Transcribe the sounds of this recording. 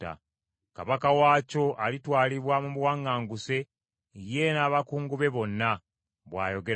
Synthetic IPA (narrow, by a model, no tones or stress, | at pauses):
a̰ | kaβakawaːco̞ʔalitwaːliβwamuβwaːŋaːŋɡuse̞ | je̞naːβakuːŋɡuβe̞βo̞nːa | βwa̰ːjo̞ɡe̞